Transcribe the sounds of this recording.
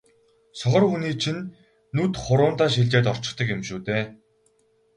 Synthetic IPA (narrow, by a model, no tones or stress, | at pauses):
sɔχɞ̆runiːt͡ɕʰinː | uːt̪χʊɾʊːnt̪aːʃ̬iɮt͡ɕeːt̪ɔr̥t͡ɕɪ̆χt̪ə̆kemʃuːt̪eː